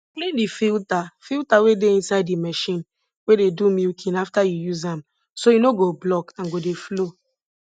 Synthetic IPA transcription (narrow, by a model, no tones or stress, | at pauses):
plẽndifiltafiltawedeĩnsaɪdːimɛʃĩn | wededumilkʰĩnaftajujuzãm | sojinoɡoblɔkãnɡodeflo